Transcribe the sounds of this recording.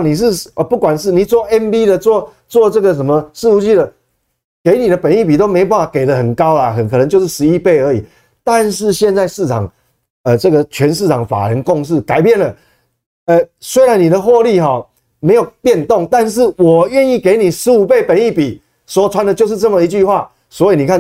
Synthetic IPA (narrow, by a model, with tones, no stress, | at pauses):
ni˨˩ʂ̬ɻ̩˥˧ə˧˩pu˥˩kwa˨˩nʂɻ̩˥˩ni˨˩t͡swɔ˥˩ʔɛ˦˥npi˦d̪ə˨t͡swɔ˥˧ | t͡swɔ˥˧t͡sɤ˥˩ɡə˨ʂ̬ə˨˩nmə˨ʂɻ̩˥˧u˧˥t͡ɕi˥˩də˨ | ke˧˥ɪni˨˩ɾə˦pə˨˩ni˥˩p̬i˨t̪o˥ʊme˧˥o˨˧pa˥˩a˨˩ke˨˩ɪlə˦xə˨˩nkɑ˦ʊla˨xə˨˩nkʰɤ˨˩nə˧˦ŋt͡ɕjo˧ʂɻ̩˥˩ʂɻ̩˧˦i˥˧pe˥˩ɪə˧˥i˨˩ | t̪a˥˧nʂɻ̩˥˧ɕjɛ˥˧nt͡sa˥˧ɪʂɻ̩˥˩t͡sʰɑ˨˩ŋ | ə˨˩t͡sɤ˥˩ɡə˨t͡ɕʰɥɛ˧˦nʂ̬ɻ̩˥˩ʈ͡ʂʰɑ˨˩ŋfa̰˨˩ɻə˨˦nkɔ˥˧ŋʂ̬ɻ̩˥˩ka˨˩ɪpjɛ˥˩nlə˩ | ə˧˩swe˥ɪɾa˧˦nːi˨˩d̪ə˨xwɔ˥˧li˥˨ɦɔ˨˩ | me˧˥ɪjo˨˩ʊpjɛ˥˧nt̪ɔ˥˨ŋt̪a˥˧nʂ̬ɻ̩˥˩wɔ˨˩ɥɛ˥˧ni˥˩ke˧˥ɪni˨˩ʂɻ̩˧˥u˨˩pe˥˩ɪpə˨˩ni˥˩pi˨˩˦ | swɔ˨˩t͡sʰwa˧˦nd̪ə˨˧t͡ɕjo˥˧ʊʂ̬̩˥˧t͡sə˥˩mə˨˩i˧˦t͡ɕy˥˧xwa˥˩ | swɔ˧˥i˨ni˨˩kʰa˥˨